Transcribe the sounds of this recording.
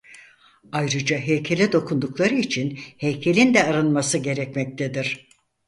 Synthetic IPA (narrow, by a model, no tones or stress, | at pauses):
ajɾɯd͡ʒaɦejcʰe̞lʲɛd̪o̞kʰund̪uklˠaɾɯit͡ʃʰinhejcʰe̞lʲind̪ɛaɾɯnmasɯɟe̞ɾɛc̚mɛc̚t̪ʰed̪iɾ̥